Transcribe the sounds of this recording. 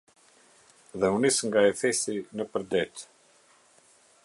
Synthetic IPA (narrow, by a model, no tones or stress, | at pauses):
ðɛunisŋɡaɛθɛsinəpəɾd̪ɛt̪